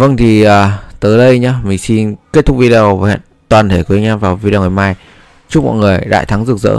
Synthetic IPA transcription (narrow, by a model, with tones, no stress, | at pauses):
və˧ŋt̪ʰi˨˩ʔaː˨˩t̪əː˨˦jɗə˧jɲaː˧mï˨˩ŋ̟si˧nke˦˥t̪̚ʰʊ˦˥vi˧ɗe˧ə˧və˨˩ha̰ː˧˨nt̪waː˨˩t̪ʰe˧˩kwi˨˦ɲaː˧vaː˨˩wvi˧ɗe˧ŋa˨˩jmaː˧j | t͡ɕʊ˦˥mɔ̰˧˨jŋɨ˨˩əjɗa̰ː˧˨jt̪ʰa˨˦ŋzɨ˨˩ək̚zə̰ː˧˥